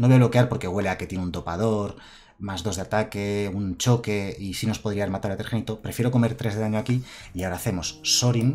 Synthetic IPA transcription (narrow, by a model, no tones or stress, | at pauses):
noβelo̞keaɾpo̞ɾke̞ɣwe̞le̞ake̞t̪jeneunt̪o̞paðo̞ɾ | mazðo̞zðeat̪ake̞unt͡ʃo̞ke̞isino̞spo̞ðɾiaɾmat̪aɾat̪eɾxenit̪o̞pɾefjeɾo̞ko̞me̞ɾt̪ɾe̞zelaɲoakiiaoɾaθe̞mo̞sːo̞ɾin